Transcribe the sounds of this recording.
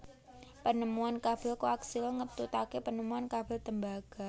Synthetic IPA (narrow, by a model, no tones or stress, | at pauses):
pənəmuankab̥ɪlkoaksɪlŋət̪ut̪akepənəmuankab̥ɪ̤lt̪əmbaɡ̥a̤